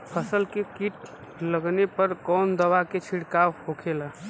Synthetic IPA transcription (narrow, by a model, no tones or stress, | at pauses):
pʰəsəlkekiʈ̚ | ləɡnepəɾkɔnd̪əʋaket͡ʃʰiɽkawhokʰela